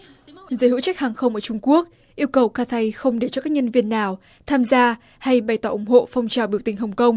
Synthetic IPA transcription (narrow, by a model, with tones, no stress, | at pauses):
zəː˨˦jhɨ̰˧˥t͡ɕa˦˥k̚haː˨˩ŋxə˧wŋ͡mʔəː˧˩t͡ɕʊ˧ŋ͡mku˦˥ək̚ | ʔi˧əwkə˨˩wkaː˧t̪ʰa˧jxə˧wŋ͡mɗe˨˧˩t͡ɕɔ˧kaː˦˥k̚ɲə˧nvi˧ənːaː˨˩w | t̪ʰaː˧mzaː˧ | ha˧jɓa˨˩jt̪ɔː˨˧˦ʔʊ˨˧˩ŋ͡mɦo̰˧˨fa˧wŋ͡mt͡ɕaː˨˩wɓi˧˩əwt̪ï˨˩ŋ̟ɦə˨˩wŋ͡mkə˧wŋ͡m